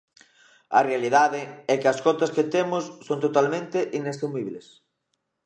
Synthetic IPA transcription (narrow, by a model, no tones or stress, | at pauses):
ɐ̰realið̞aðɪɛkɪɐskɔt̪ɐskɪt̪emʊsːõnt̪ot̪almẽnt̪ɪʔinest̪ɾimiβles